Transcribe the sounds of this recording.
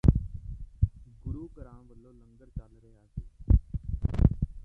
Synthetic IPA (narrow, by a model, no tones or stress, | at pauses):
ɡʊɾuːkəɾãːʋəlːoːləŋɡəɾt͡ʃaːlɾeɦaːkeː